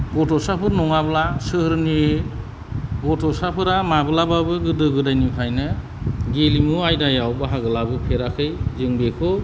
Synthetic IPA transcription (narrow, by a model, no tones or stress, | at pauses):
ɡɔtʰɔsapʰɯɾnɔŋablasɯhɾni | ɡɔtʰɔsapʰɯɾamabɯlababɯɡɯdɯɡɯdajnipʰajnɯ | ɡelimuajdajawbaɦaɡɯlabɯpʰeɾakʰɯjzɯŋbekʰɔ